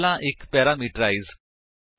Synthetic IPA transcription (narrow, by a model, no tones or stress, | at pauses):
laʔekpɛɾamiʈɾaiz